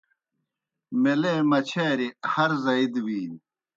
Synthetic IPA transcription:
meleːmɐt͡ɕʰeːɾihɐɾzɐid̪wiːn

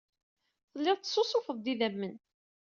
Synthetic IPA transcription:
θəlːɪðˤt̪ːsːosˤofəðˤd̪iðæmːən

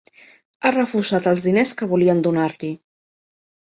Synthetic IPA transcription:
arəfuzat̪əlˠzðineskəβuliənd̪unaɾli

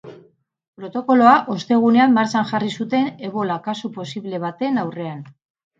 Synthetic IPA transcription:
pɾo̞t̪o̞ko̞lo̞aʔo̞st̪e̞ɣ̞une̞amːaɾt͡sanʝarisut̪e̞ne̞ɣo̞lakasupo̞siβle̞β̞at̪e̞nawre̞an

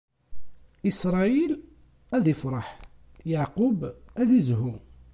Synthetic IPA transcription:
isɾˤɑil | æðifɾˤɑħjaʕqʊbæðizɦu

